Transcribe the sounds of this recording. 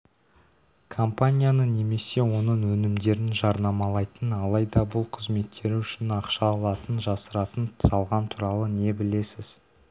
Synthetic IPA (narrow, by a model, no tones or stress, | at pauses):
kʰo̞mpanʲijanəne̞me̞se̞wo̞nəɴwɵnɪmd̪e̞ɾɪnʒɑɾnɑmɑlˠɑjt̪ənɑlˠɑjd̪ɑbʊlˠqʰəzme̞t̪ʰːe̞ɾɪʏʃɪnɑqʃɑːlˠɑt̪ənʒɑsəɾɑt̪əntɑlˠʁɑnt̪ʰuɾɑlˠəne̞bɪle̞sɪz̥